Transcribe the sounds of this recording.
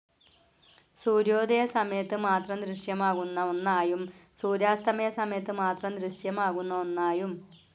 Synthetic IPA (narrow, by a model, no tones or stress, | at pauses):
suːɾjo̞ːd̪ʱɐjɐsɐmɐjɐt̪ːɨmaːt̪rɐmd̪ɾiʂjɐmaːɣunːɐonːaːjumsuːɾjaːst̪ʰɐmɐjɐsɐmɐjɐt̪ːɨmaːt̪rɐmd̪ɾɨʂjɐmaːɣunːɐonːaːjum